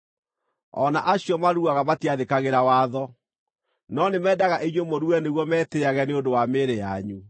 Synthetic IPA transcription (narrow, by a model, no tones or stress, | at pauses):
ɔ̰naʔaɕiɔmaɾuaɣamatiaðekaɣeɾawaːðɔ | nɔnemɛːdaɣaʔeɲwemoɾuɛneɣwɔmɛːteaɣɛneodowameɾeja̰ɲu